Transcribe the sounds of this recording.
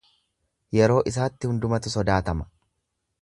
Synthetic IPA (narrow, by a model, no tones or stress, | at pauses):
jɛɾo̞ːʔɪs̬aːt̪ːɪhʊnd̪ʊmɐt̪ʊsɔd̪aːt̪ɐmɐ̥